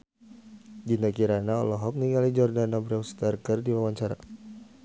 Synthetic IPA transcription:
d͡ʒinakiɾanaɔ̰lɔɦɔp̚niŋɡalid͡ʒɔrdanabɾaust̪arɡərdiwawaɲt͡ʃaɾa̰

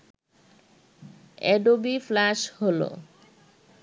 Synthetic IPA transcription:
ɛɖobiflaʃholo̰

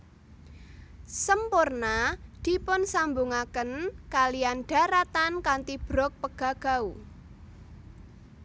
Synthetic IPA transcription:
səmpʊrnad̪̥i̤pʊnsambuŋakənkalijanɖ̥a̤ɾat̪ankant̪ib̥ɾɔk̚pəɡ̥a̤ɡ̥a̤u

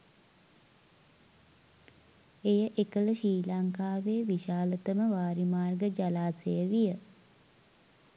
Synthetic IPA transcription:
ejəʔekələʃiːlaŋkaːʋeːʋiʃaːlət̪əməʋaːɾimaːrɡəd͡ʒalaːsejəʋijə

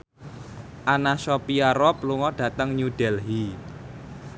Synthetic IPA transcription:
ʔanasɔpiaɾɔpluŋɔɖ̥ä̤t̪əŋɲud̥ɛlɦi

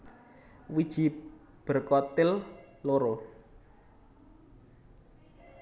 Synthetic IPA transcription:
wid̥ʒ̥i̤ | b̥ə̤rkɔt̪ɪl | loɾo

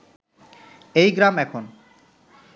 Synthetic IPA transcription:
ejɡɾamɛkʰon

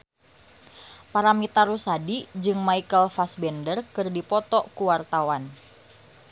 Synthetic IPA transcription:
paɾamit̪aɾusadid͡ʒɨŋmaikəlfasbɛndərkɨrdipɔt̪ɔkuwart̪awan

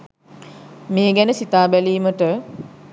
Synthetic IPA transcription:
meːɡænəsit̪aːbæliːməʈə

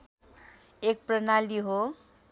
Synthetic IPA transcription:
ek̚prʌnaliɦo

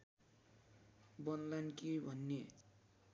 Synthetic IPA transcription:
bʌnlankibʱʌnːe

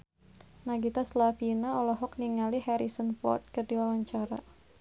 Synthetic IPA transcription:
naɡit̪aslafinaɔlɔɦɔk̚niŋaliɦɛɾisənfɔ̰rt̪̚kɨrdiwawaɲt͡ʃaɾa̰

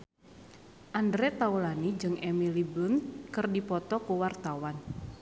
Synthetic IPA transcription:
ʔandɾɛt̪aulanid͡ʒɨŋʔɛmilibəŋkɨrdipɔt̪ɔkuwart̪awan

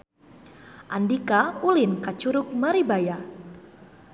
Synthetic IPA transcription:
ʔandikaulinkat͡ʃuɾʊk̚maɾibaja

